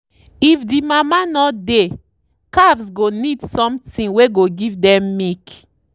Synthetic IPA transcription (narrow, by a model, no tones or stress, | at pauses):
ifdimamanɔde | kavsɡonidsɔ̃mtĩnweɡoɡivdɛ̃mːik